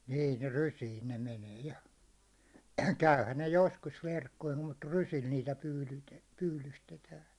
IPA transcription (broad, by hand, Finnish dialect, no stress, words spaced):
niː ne rysiːn̞ ne meneː jɑ kæyhæn ne joskus ʋerkːoim mut rysil niːtæ pyːlyte pyːlystetæːn̞